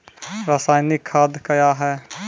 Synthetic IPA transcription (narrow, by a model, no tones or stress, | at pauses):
ɾaːsaːjnɪkʰːaːd̪kəjaɦɛː